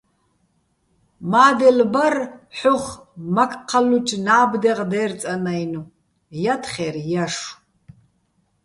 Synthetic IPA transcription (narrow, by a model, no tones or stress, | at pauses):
maːd̪ɛlbɐrħʊχmɐkʰʼqʰɑlut͡ʃʰʼnaːbdɛʁd̪ɛːrt͡sʼɐnɐjnu | jɐtʰχɛrjɐʂ